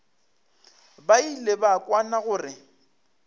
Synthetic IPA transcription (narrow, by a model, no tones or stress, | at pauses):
bailebakʼwanaɣʊːrɪ